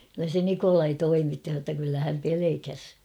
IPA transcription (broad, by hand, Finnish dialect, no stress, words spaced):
kylːæ se nikolɑi toimitːi h̞ɑ tːɑ kylːæ hæm pelekæs